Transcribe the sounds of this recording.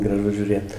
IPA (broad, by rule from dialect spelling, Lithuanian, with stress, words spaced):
ɡrɐˈʒʊ ʒʲuːˈrʲeːt